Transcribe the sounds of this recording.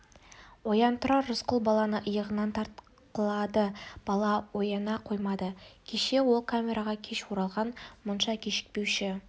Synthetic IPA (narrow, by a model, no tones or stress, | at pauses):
wo̞jɑnt̪ʰʊɾɑːʊsqəlˠbɑlˠɑnəʔəjəʁənɑnt̪ʰɑɾt̪̚ | qəlˠɑd̪əb̥ɑlˠɑwo̞jɑnɑqʰo̞jmɑd̪əkʲʰe̞ʃe̞wo̞lˠkʰamʲe̞ɾʔaʁɑkʲʰe̞ʃwoɾɑlˠʁɑnmʊnʃɑkʲʰe̞ʃɪ̥k̚pe̞wʃɪ